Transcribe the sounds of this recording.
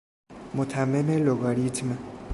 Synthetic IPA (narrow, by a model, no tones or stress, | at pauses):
mʊt̪ʰamemeloɡaɾit̪ʰima